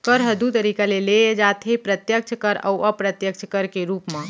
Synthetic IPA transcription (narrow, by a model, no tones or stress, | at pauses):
kəɾɦəd̪ut̪əɾikaleleed͡ʒat̪ʰepɾət̪jək̚t͡ʃʰkəɾə̰uʔəpɾət̪jək̚t͡ʃʰkəɾkeɾupmẽ